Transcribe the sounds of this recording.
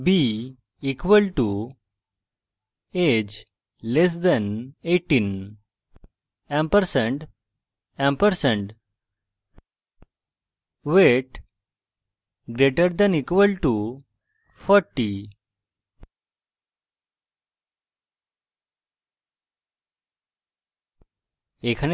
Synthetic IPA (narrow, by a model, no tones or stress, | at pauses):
bi | ikʋəlʈu | ed͡ʑ | les̬d̪ɛ̃neʈːĩn | ɛ̃mpəɾsə̃ɳʈ | ɛ̃mpəɾsẽɳʈ | ʋeʈ | ɡɾeʈəɾd̪ɛ̃nikʋəlʈu | fʰɔɾʈːi | ekʰən